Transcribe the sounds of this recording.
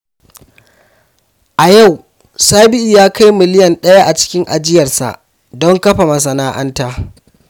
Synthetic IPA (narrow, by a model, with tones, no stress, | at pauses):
ʔa˨ja˦˨w | saː˦bɪ˦ʔiː˨jaː˦ka˦jmɪ˨lɪ˦jɐ˨nɗɐ˦ja˦ʔa˨t͡ʃɪ̥˦kʲɪ˦ŋʔa̰˨d͡ʒɪ˦jɐ˨rsa̰˨ʔ | dɔ˦ŋkɐ˦ɸa˨mɐ˨s̬ɐ˨naː˦ʔɐ˦ntaː˦